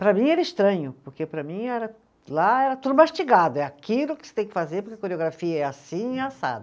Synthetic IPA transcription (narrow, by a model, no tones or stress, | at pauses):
pɾɐmĩɛɾɐɪʃt̪ɾɐ̃ɲʊpoɾkepɾɐmĩɛɾɐ | laɛɾɐt̪ud̪ʊmaʃt͡ʃiɡad̪ʊɛakilʊkɪ̥set̪ẽj̃kɪfazeɾpoɾkeɐkoɾeoɡɾafiɐɛasĩĩiasa̰d̪ɐ